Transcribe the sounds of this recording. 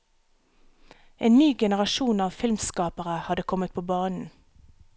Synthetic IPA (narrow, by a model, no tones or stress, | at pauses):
ʔeːnnyːɡɛnəʁɑʃuːnɑːʋfɪlmskɑːpəʁəhɑd̪əkʰɔmət̪̚pʰoːbɑːnn̩